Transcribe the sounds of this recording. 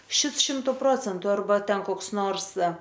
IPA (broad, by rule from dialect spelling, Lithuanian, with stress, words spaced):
ˈʃʲɪts ˈʃʲɪmtʊ ˈproːt͡sʲɛntʊ ɐrˈbɐ ˈtʲɛn koːks ˈnoːrs